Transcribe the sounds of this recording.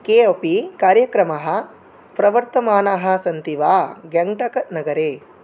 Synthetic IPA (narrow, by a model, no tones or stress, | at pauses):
keːɐpikaːɾjɐkɾɐmɐɦɐ̆ | pɾɐʋɐɾt̪ɐmaːnaɦɐ̆sɐnt̪iʋaːɡɐŋʈɐkɐnɐɡɐɾeː